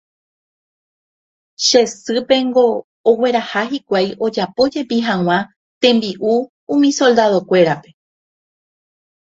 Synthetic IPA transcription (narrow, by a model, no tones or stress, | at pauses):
ʃe̞sɨpe̞ŋɡo̞ː | we̞ɾahahikʷajʔo̞d͡ʒapo̞d͡ʒe̞piɦãw̃ã | t̪ẽ̞mbiʔu | ũmĩso̞ld̪aðo̞kʷe̞ɾape̞